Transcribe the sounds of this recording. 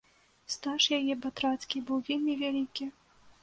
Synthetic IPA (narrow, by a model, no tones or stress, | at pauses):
st̪aʂjajɛbat̪ɾat̪skʲibɨwvʲelʲmʲivʲalʲikʲi